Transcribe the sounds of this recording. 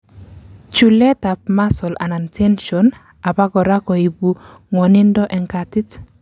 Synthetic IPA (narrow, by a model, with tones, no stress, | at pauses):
t͡ʃu˨lɛ˦ta˨pma˦sɔ˨la̰˨na˨ntʰɛ˦nʃɔn | a˨ba˦ɡɔ˨ɾa˦kɔ˨i˨bu˨ | ŋwɔ˨nɪ˦ndɔ˦ʔɛ˨ŋkati˦t